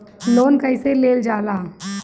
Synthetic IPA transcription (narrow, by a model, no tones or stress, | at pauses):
loːnkəɪseleːld͡ʒaːlaː